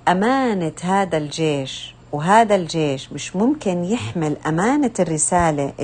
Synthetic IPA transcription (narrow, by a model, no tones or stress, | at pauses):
ʔamaːnahaːd̪ald͡ʒeːʃ | wɦaːd̪ald͡ʒeːʃmɪʃmʊmkɪnjɪħmɪlʔamaːnarːɪsaːlaʔ